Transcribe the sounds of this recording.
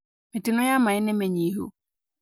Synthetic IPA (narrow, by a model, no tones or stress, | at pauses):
mɪ̃tɪnʊ̃jamãɪnɪ̃mɛɲĩɦo̰